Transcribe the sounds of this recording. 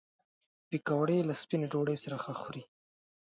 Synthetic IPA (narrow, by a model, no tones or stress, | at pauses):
pikawɽelaspineɖoɽəjsaɾaxaxuɾi